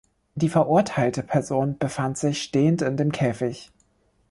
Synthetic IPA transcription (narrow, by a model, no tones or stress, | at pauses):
d̥iːfɛɐʔʊɐtʰaɪltəpʰɛɐzoːnb̥əfantz̥ɪçʃteːəntɪndeːmkʰɛːfɪç